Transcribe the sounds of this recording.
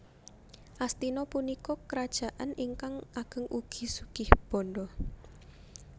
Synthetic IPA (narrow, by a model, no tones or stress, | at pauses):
ʔast̪inɔpunikɔkəɾad̥ʒ̥a̤ʔaniŋkaŋaɡ̥əŋʔuɡ̥i̤suɡ̥ɪhb̥ɔ̤ndɔ